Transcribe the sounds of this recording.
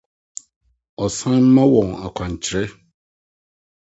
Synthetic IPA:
ɔ˨sã˦m̩˦mã˦wɔ̃˨ŋa̰˨kʷʰã˨ɲ̩˨t͡ɕʰɾɛ˦

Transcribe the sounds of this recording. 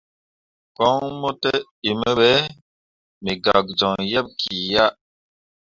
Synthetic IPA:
kɔ˦ŋmo˦te˦ | i˨mə˦ɓe˦ | mi˨ɡa˨k̚d͡ʒɔ˨ŋjɛ˦p̚kʰi˨ja˦ʔ

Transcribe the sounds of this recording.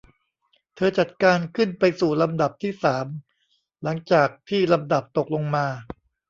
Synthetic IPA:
t̪ʰɤː˧t͡ɕa˨˩t̪̚kaː˧nkʰɯ˥˩npa˧jsuː˨˩la˧mda˨˩p̚t̪ʰiː˥˩saː˩˦m | la˩˦ŋt͡ɕaː˨˩k̚t̪ʰiː˥˩la˧mda˨˩p̚t̪o˨˩k̚lo˧ŋmaː˧

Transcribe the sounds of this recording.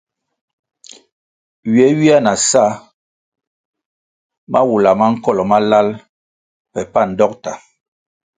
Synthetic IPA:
ɥi˨ɛ˦wi˦a˦na˨sa˦ | mʔa˦wu˨la˨ma˦ŋ̩˦kɔ˦lɔ˨ma˦la˦l | pɛ˨pa˦˨n̩˨dɔ˦k̚ta˨

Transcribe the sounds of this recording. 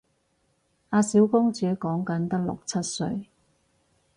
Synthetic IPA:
aː˧si˨˥wkʊ˥ŋt͡syː˨˥kɔː˨˥ŋkɐ˨˥nt̪ɐ˥k̚lʊ̰˨k̚t͡sʰɐ˥t̚sɵ̰˧ɥ

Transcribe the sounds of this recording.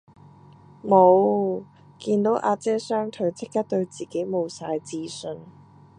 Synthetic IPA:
mo˨˧w | kiː˧nt̪o˨˥wʔaː˧t͡sɛː˥sœː˥ŋt̪ʰɵ˨˥ɥt͡sʰɪ˥kːɐ˥t̪ɵ˧ɥt͡siː˨˩ke˨˥jmo˨˧wsaː˧jt͡siː˧sɵ˧n

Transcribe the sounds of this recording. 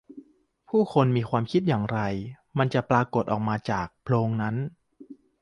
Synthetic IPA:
pʰuː˥˩kʰo˧nmiː˧kʰwaː˧mkʰi˦˥t̪̚jaː˨˩ŋɾa˧j | ma˧nt͡ɕa˨˩pɾaː˧ko˨˩t̪̚ʔɔ̰ː˨˩k̚maː˧t͡ɕaː˨˩k̚pʰloː˧ŋna˦˥n

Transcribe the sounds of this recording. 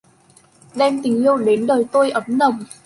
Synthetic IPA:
ɗɛ˧mt̪ï˨˩ŋ̟ʔi˧əwɗe˨˦nɗəː˨˩jt̪o˧jʔə˨˦mnə˨˩wŋ͡m

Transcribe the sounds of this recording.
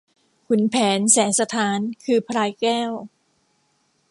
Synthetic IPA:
kʰu˩˦npʰɛː˩˦nsɛː˩˦sa˧t̪ʰaː˨˩˦nkʰɯː˧pʰɾaː˧jkɛː˥˩w

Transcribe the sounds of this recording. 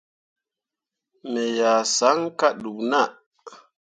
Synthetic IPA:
me˨ja˨sa˨˦ŋka˦ɗu˨kna˦˨

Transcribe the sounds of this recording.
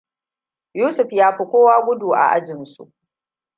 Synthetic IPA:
juː˦sʊ˨ɸjaː˦ɸi˨kʷoː˦waː˦ɡʷʊ˦duː˨ʔa̰˨ʔa̰˦d͡ʒɪ˨nsṵ˨ʔ

